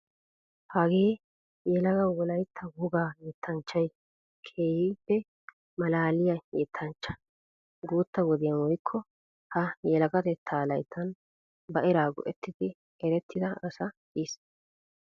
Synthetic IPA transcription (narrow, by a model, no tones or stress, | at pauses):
haːɡeː | jɛlɐɡɐwɔlɐjt̪ʰːɐɡuːɡaːjɛt̪ʰːɐnt͡ʃːɐj | kʰeːhɪpːɛ | mɐlaːlɪjɐjɛt̪ʰːɐnt͡ʃːɐ̥ | ɡuːt̪ːɐwɔd̪ɪjɐnwɔjkʰːɔ | hɐjɛlɐɡɐt̪ɛt̪ʰːaːlɐjt̪ʰːɐn | bɐʔɛɾaːɡɔ̰ʔɛt̪ːɪd̪ɪ | ɛɾɛt̪ːɪd̪ɐɐsɐ | is